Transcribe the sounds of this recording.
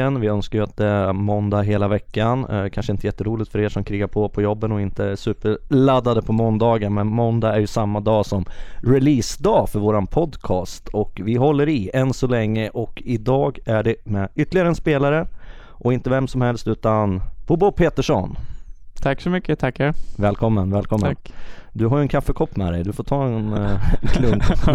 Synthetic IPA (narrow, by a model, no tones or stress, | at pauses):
ɛnvɪœnskajɵat̪̚d̪ɛæmɔnd̪aɦeːlavɛkːankʰanʂəɪnt̪əjɛt̪ːəɾuːlɪt̪fœɾeːʂɔmkʰɾiːɡaɾpʰɔpʰɔjɔbːənɔɪnt̪əæsʉ̟ːpəɭad̪ːad̪əpʰɔmɔnd̪ɑːɡənmɛnmɔnd̪aæɾjɵsamːad̪ɑːsɔmɾɪliːsd̪ɑːfœɾvoːɾanpʰɔd̪kʰɑːst̪ʰɔkvɪɦɔlːəɾɪɛnsɔlɛŋːəʔɔkɪd̪ɑːɡæɖɛmɛʏt̪ːəlɪɡaɾəɛnspeːlaɾə | ʔɔɪnt̪əvɛmsɔmhɛlst̪ʉ̟ːt̪anb̥ʊbʊpʰeːt̪əʂɔ̰nt̪ʰakːsɔmʏkːət̪ʰakːhɛvɛːlkʰɔmːənvɛːlkʰɔmːəd̪ɵɦaɾjɵɛnkʰafːəkʰɔpːmɛ̰d̪ɛ̰jd̪ɵfoːʈ̪ʰɑːɛnkʰlɵŋ